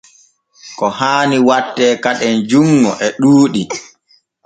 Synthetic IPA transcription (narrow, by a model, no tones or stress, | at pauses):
kɔhaːniwatːɛːkaɗɛnd͡ʒuŋːɔʔɛɗuːɗi